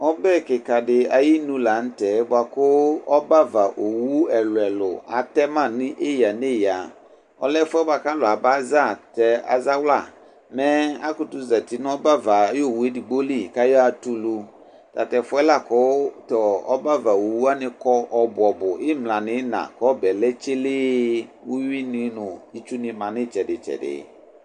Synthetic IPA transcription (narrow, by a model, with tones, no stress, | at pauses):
ɔ˦bɛ˦˨kɪ˨ka˨dɪ˨a˨ji˦nũ˦la˨n̩˦tɛ˨˦bʊ˨a˨kʊ˦ɔ˦ba˦va˨ʔo˨wu˦ɛ˨lʊ˨ɛ˨lʊ˨a̰˨tɛ˦mã˦˨nɪ̃˦ʔe˦ja˨ne˦˨ja˨ | ɔ̰˦lɛ˦fʊ˦ɛ˦ba˨ka˦lʊ˨a˨ba˦za˦˨tɛ˦a̰˨za˦wla̰˨ | mɛ̃˦a˦kʊ˨tʊ˦za˨ti˨nʊ̃˦ɔ˦ba˦va˨˦jo˦˨wu˨e˦di˨ɡ͡bo˦li˦˨ka˦jɔ˦a˨tu˦lu˦ | ta̰˨tɛ˨fʊ˦ɛ˦la˦˨kɔ˨˦tɔ˨ɔ̰˦ba˦va˨wo˨wu˦a˦nɪ̃˦kɔ˦ɔ˨bʊ˨ɔ˨bʊ˨ɪ˦mlã˨nɪ̃˨˦nã̰˨kɔ˦bɛ˨lɛ˦t͡ʃɪ˦lɪ˦wu˦ɥi˦nɪ̃˦nʊ̃˨i˦t͡ʃu˦nɪ̃˨mã˨nɪ̃˦t͡ʃɛ˨dɪ˨t͡ʃɛ̰˨dɪ̰˨